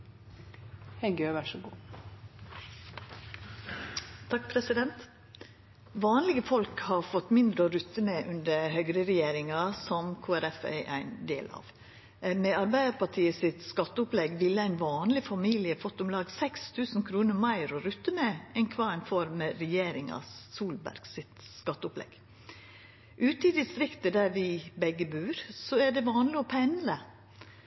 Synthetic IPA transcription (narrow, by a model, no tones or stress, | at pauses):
hɛɡøːʋæʂəɡuː | t̪ʰɑk̚pʰɾɛsɪd̪ɛnt̪ | ʋɑːnlɪɡəfɔlkhɑɾfɔt̪ːmɪnd̪ɾəɔɾʉt̪ːəmeʔʉnd̪əhœɡɾəɾɛjeːɾɪŋɑsɔmkʰoːæɾɛfæ̰ʔæ̰ɪnd̪ḛːlɑ̰ːʋ | mɛɑɾbæɪd̪əɾpɑʈʰiːəsɪt̪skɑt̪ːəʊplɛɡʋɪlːəæɪnʋɑːnlɪfɑmiːlɪəfɔt̪ːʊmlɑːɡsɛkst̪ʰʉːsn̩kʰɾuːnəɾmæɪɾɔɾʉt̪ːəmɛɛnkʰʋɑːɛɪnfɔɾməɾɛjeːɾɪŋɑ̰ssuːlbæ̰ɾɡ̥sɪt̪skɑt̪ːəʊplɛ̰ɡ̥ | ʔʉːt̪əɪd̪ɪst̪ɾɪkt̪əd̪æɾʋɪbɛɡːəbʉːɾsɔæɖɛʋɑːnlɪɔpʰænd̪ɾə